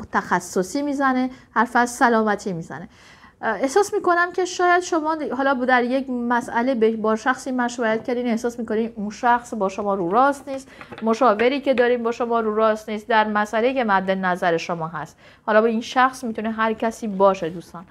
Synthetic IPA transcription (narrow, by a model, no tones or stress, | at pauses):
t̪ʰæxæsːosiːmiːzæne̞hæɾfæzsælɒːmæt̪ʰiːmiːzæ̰ne̞ | e̞hsɒːsmiːko̞næmcʰe̞ʃɒːjæd̪ʃomɒːhɒːlɒːd̪æɾjekmæsʔæle̞bebɒːɾʃæxsiːmænʃvæjæt̪̚kʰæɾd̪iːne̞hsɒːsmiːkoniːunʃæxsbɒːʃomɒːɾuːɾɒːst̪niːst̪moʃɒːve̞ɾiːce̞d̪ɒːɾiːmbɒːʃo̞mɒːɾuːɾɒːst̪niːst̪̚d̪æɾmæsʔælejicʰe̞mæd̪ːenæzæɾe̞ʃomɒːɦæst̪ | hɒːlɒːinʃæxsmit̪ʰuneɦæɾcʰæsiːbɒːʃed̪uːst̪ɒːn